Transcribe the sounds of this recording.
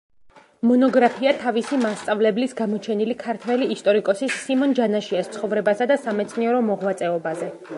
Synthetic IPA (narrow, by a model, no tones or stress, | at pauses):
mɔnɔɡɾapʰiat̪ʰavisimast̪sʼavlɛblisɡamɔt͡ʃʰɛnilikʰaɾt̪ʰwɛliːst̪ʼɔɾikʼɔsisːimɔnd͡ʒanaʃiast̪sʰχɔvɾɛbasad̪asamɛt̪sʰniɛɾɔmɔʁwat̪sʼɛɔbazɛ